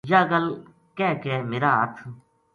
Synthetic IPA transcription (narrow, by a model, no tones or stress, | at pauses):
jaːɡəl | kɛːkɛːmeːɾaːət̪ʰ